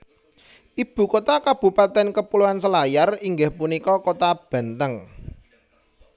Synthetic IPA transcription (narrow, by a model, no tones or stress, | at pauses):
ʔib̥ṳkot̪akab̥ṳpat̪ɛnkəpuluansəlajariŋɡɪhpunikɔkot̪ab̥a̤nt̪əŋ